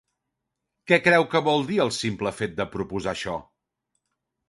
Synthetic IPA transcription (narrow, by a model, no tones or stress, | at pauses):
kɛkɾɛwkəβɔlˠd̪iəlˠsimpləfet̪̚d̪əpɾupuzaʃɔ̰